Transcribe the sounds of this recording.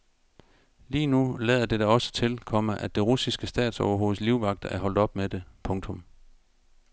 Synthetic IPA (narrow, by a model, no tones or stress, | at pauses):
liːnulɛðˠɐd̥e̝d̥æɒ̽sə̥t͡sʰe̝lkʰɒ̽məʔæ̥e̝ʁusisɡ̥əsd̥ɛ̰ːd̥sɒʊɐɦo̝ːð̩ˠliʊʋɑ̈ɡ̥̚d̥ɐʔæɐɦɒ̽l̰d̥ɒ̽b̥med̥e̝pʰɔ̽ŋt͡sʰɔ̽m